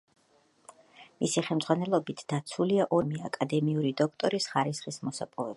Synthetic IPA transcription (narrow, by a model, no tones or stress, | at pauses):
misiχɛlˠmd̪zʁwanɛlˠɔbit̪ʰd̪̥at̪sʰuliaʔɔmiakʼad̪ɛmiuɾid̪ɔk̚ʰt̪ʼɔɾisχaɾisχismɔsapʼɔvɛba